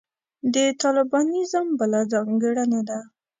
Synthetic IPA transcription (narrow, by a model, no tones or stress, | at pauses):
d̪ət̪ɑlɪbɑnizəmbəlazɑŋɡəɽəned̪a